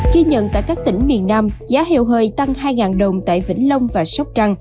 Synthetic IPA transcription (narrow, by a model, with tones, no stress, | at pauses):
ɣi˧ɲə̰˧˨nt̪a̰ː˧˨jkaː˦˥k̚t̪ï˧˩ŋ̟mi˨˩ənːaː˧mzaː˨˦hḭ˧˨wɦəː˧˩jt̪a˧ŋhaː˧jŋaː˨˩nɗə˨˩wŋ͡mt̪a̰ː˧˨jvḭ̈˧˥ŋ̟lə˧wŋ͡mvaː˨˩sa˦˥k͡p̚t͡ɕa˧ŋ